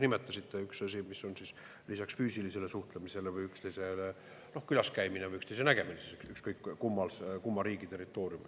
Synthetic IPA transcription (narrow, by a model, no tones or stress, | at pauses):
nimet̪ːˑɑsit̪ːˑe̞yksɑsʲimisːo̞nsis | lisɑksfyːsilise̞le̞suht̪lemise̞levɯjykst̪ejse̞ | no̞hkylɑskæjminevɯjykst̪ejs̬e̞næɡ̥e̞minesisyksykskɤjkːumːɑlskumːɑɾiːɡit̪e̞rːit̪ːˑo̞ːɾjum